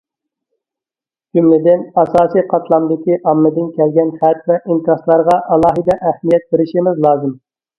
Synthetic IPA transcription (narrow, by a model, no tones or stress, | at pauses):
d͡ʒymlɪd̪ɪnɑsɑːsijqʰɑt̪ʰlˠɑmd̪ɪkʲiʔɑmːɨd̪ɪnkʲʰɛlɡʲɛnχæt̪̚vɛʔint̪ɾɑslˠɑɾʁɑʔɑlˠɑːɦɨd̪ɛʔæhmijɛt̪̚beɾɪʃimɪzlˠɑːzɨm